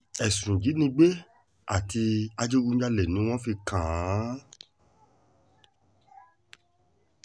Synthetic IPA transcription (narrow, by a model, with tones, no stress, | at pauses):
ɛ˨sũ˨d͡ʒi˨˦nĩ˧˦ɡ͡be˦ | a˨ti˧a˧d͡ʒe˦u˦d͡ʒa˦lɛ˨nũ˨˦w̃ɔ̃˦fi˧kʰã˨˦